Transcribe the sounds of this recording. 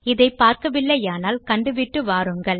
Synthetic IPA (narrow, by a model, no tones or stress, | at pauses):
ɪðɐɪpːaːɾkɐʋɪlːɐjaːnaːlkɐɳɖɯʋɪʈːɯʋaːɾɯŋɡɐɭ